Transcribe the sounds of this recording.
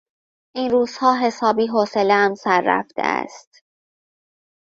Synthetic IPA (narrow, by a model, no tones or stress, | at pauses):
ʔiːnɾuːz̥hɒːɦe̞sɒːbiːɦoseleæmsæɾːæ̰ft̪ʰḛæ̰st̪